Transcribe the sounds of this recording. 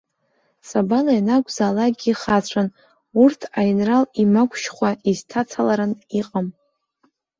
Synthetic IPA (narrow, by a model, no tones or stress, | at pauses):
sʼabalajnakʷʼzaːlaɡʲiχat͡ɕʷʰan | urtʰajinralimakʷʰʼʃχʷaiztʰat͡sʰalaɾɨniqʼam